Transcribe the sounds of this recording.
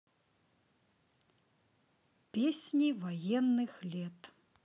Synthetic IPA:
pʲesʲnʲivajɛnːɨxlʲɛt̪

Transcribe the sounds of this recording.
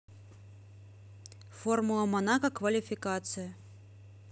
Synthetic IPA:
formʊlˠɐmɐnakɐkvɐlʲɪfʲɪkat̪sɨjɐ

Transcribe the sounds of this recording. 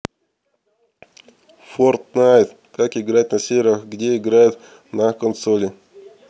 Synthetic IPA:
fort̪znajɪt̪ | kakɪɡɾat̪̚ʲnɐsʲeɾʲaxɡdʲeɪɡɾajʊt̪ | nakənsolʲɪ

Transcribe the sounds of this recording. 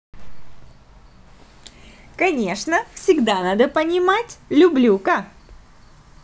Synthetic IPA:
kɐnʲe̞ʂnəfsʲɪɡd̪anad̪əpənʲɪmatʲlʲʊblʲukə

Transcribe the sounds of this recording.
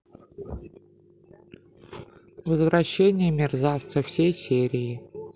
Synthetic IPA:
vəzvɾɐɕːenʲɪjəmʲɪrzaft̪səfsʲejsʲeɾʲɪɪ

